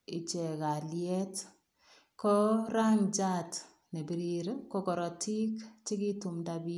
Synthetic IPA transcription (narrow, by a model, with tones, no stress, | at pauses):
i˨t͡ʃɛ˨ka˨ljɛ˦t | kɔ˦ɾa˦ŋt͡ʃat | ne˨bi˨ɾiɾko˦kɔ˨ɾɔ˨tʰi˦kt͡ʃi˦ki˦tu˨mdabi˦